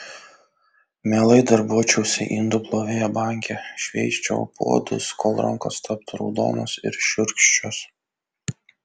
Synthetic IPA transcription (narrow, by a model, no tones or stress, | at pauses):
mʲeːlˠɐɪd̪ɐɾbuɔt͡ʃʲɛʊsʲɛʔind̪ʊplˠoːʋʲeːjɛbɑˑŋʲkʲɛʃʲʋʲɛɪsʲt͡ʃʲo̰ːpʰo̰ːd̪ʊ̰skʰoːlˠɾɐ̰ŋko̰st̪ʰɐp̚t̪ɾɔ̰ʊd̪o̰ːnosɪ̰ɾʃʲʊɾʲkʃʲt͡ʃʲos